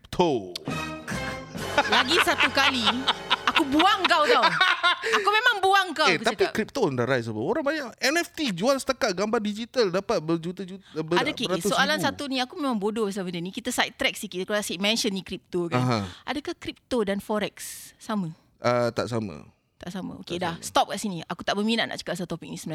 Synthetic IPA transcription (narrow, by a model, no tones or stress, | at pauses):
pt̪ʰo | laɡisat̪ukaliakubuaŋkawt̪a | akumẽmãŋbuaŋkaekt̪apikɾip̚t̪ondaʔɾajsəba̰oɾaŋbaɲaʔɛnɛft̪id͡ʒualsət̪akat̪̚ɡambardid͡ʒit̪aldapat̪̚bəd͡ʒut̪əd͡ʒubəadakeɾat̪usoalansat̪unĩakumẽmãŋbodobas̬abəndənikit̪asajt̪ɾɛk̚sikikəalasamɛ̃nʃənːikɾip̚t̪okanɦãʔa̰dəkahkɾip̚t̪odanfɔɾɛksːamə | ʔət̪a̰ʔsamə̰̃ | t̪aʔsamə̰̃o̰kedahst̪ɔp̚kaʔsiniakut̪aʔbəminaʔna̰ʔt͡ʃə̥kaʔsat̪opik̚nisəməla